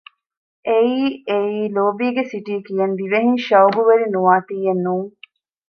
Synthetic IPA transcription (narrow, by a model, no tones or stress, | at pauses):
ʔeiːeiːloːbiːɡesiʈiːkijɐnd̪iʋeɦiŋʃɐuɡuʋɐɾinuʋaːt̪iːjenːuːŋ